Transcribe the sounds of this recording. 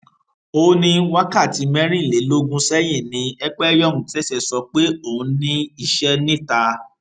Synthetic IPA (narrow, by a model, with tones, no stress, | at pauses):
o˧˦nĩ˦wa˦ka˦˨ti˨˦mɛ̃˦ɾ̃ĩ˦˨le˨˦lo˦ɡũ˦sɛ˦j̃ĩ˦˨nĩ˧ɛ˦k͡pɛ˦jɔ˦˨ũ˨tɛ˦sɛ˧˨sɔ˧k͡pe˦o˦˨ũ˧nĩ˦i˦˨ʃɛ˦nĩ˦˨ta˧